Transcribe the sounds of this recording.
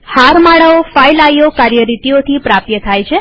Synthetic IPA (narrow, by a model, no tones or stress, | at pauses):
haɾmaɭəofajlajokaɾjəɾit̪ijot̪ʰipɾap̚jət̪ʰajt͡ʃʰe